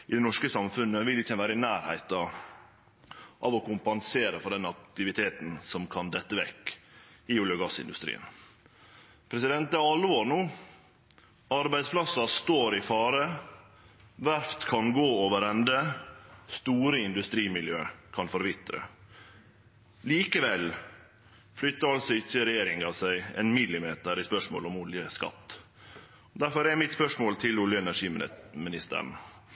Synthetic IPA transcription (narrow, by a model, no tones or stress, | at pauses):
ɪd̪ɛnɔʂkəsɑmfʉnːəʋɪlːɪçːənʋæːɾəɪnæːɾhæ̰ɪt̪ɑ | ʔɑʋɔkʊmpɑnseːɾəfɔɖ̪ɛnɑkt̪ɪʋɪt̪ʰeːt̪n̩sɔmkʰɑnd̪ɛt̪ːəʋɛkː | ɪʊljəɡɑsɪ̰nd̪ʉ̰st̪ɾḭːə̰n | pʰɾɛsɪd̪ɛnt̪̚d̪ɛɑlːʋoːɾnuː | ɑɾbæɪsplɑsɑst̪oːɾɪfɑːɾə | ʋæɾft̪kʰɑnɡoːoːʋəɾɛnd̪əst̪uːɾəɪnd̪ʉst̪ɾiːmɪljøːkʰɑnfɔɾʋɪt̪ɾə̰ | liːkəʋɛl | flʏt̪ːəɾɑlsɔɪçːəɾɛjeːɾɪŋɑʋsæɪɛ̰nmɪlːɪmeːt̪əɾɪspœʂmo̰ːlɔmʊljəskɑ̰t̪ː | ɔd̪æɾfɔɾɛɾmɪt̪spœʂmoːlt̪ʰɪlʊljəɛnæʂiːmɪnɪst̪ə̰ɾɳ̩